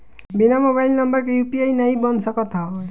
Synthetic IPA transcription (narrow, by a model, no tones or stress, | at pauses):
binamobajlnʌmbʌɾkejupiajnaɦĩbʌnʱsʌkɔt̪ʰɔ